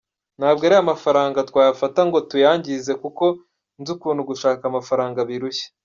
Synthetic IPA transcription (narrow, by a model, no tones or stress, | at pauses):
n̥haːbɡeaɾiamafaɾaːŋɡatkwaːjafataŋɡo̞tujaːɲɟize̞kuko̞ | nzukuːnhuɡuʃaːkamafaɾaːŋɡaβiɾuçe̥